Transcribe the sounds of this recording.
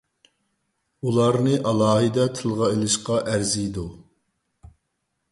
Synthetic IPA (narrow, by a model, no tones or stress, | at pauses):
ulˠɑɾnɨʔɑlˠɑːɦɨd̪ɛt̪ʰɪlˠʁɑelˠɪʃqɑʔæɾzijd̪u